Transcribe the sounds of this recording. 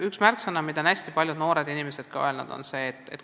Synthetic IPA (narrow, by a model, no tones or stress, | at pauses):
yksmærksɤnɑmid̪̥ɑnæsʲt̪ipɑljud̪no̞ːɾe̞d̪inime̞se̞d̪̥kɑoelnṵd̪̥o̞̰nse̞ːt̪ːˑḛt̪